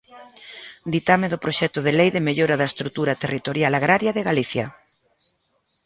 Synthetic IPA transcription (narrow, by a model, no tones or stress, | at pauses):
d̪it̪ameðʊpɾoʃɛt̪ʊðelejðemeʎoɾaðɐest̪ɾut̪uɾat̪erit̪oɾjalaɣɾaɾjaðeɣaliθjɐ̰